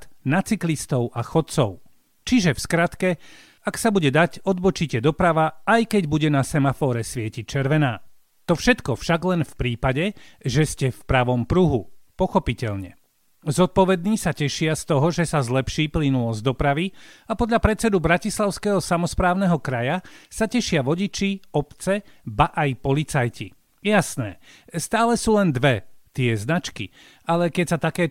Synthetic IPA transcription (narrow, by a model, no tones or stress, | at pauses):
t̪nat͡siklist̪ɔʊʔaxɔt̪̚t͡sɔʊ | t͡ʃiʒɛfskɾat̪kɛ | aksabuɟɛd̪acɔd̪bɔt͡ʃiːcɛd̪ɔpɾaʋaajkɛɟbuɟɛnasɛmafɔːɾɛsʋɪɛcit͡ʃɛɾʋɛnaː | t̪ɔfʃɛt̪kɔfʃaɡlɛnfpɾiːpaɟɛʒɛscɛfpɾaʋɔmpɾuɦupɔxɔpicɛʎɲɛ̰ | zɔt̪̚pɔʋɛd̪̚niːsacɛʃɪast̪ɔɦɔʒɛsazlɛpʃiːplinulɔzd̪ɔpɾaʋiapɔd̪ʎapɾɛt͡sɛd̪ubɾacislaʊskɛːɦɔsamɔspɾaːʊnɛɦɔkɾajasacɛʃɪaʋɔɟit͡ʃiɔpt͡sɛbaʔajpɔlit͡sajcḭ | jasnɛ̰ːst̪aːlɛsuːlɛnd̪ʋɛt̪ɪɛznat͡ʃkḭ | alɛkɛcsat̪akɛː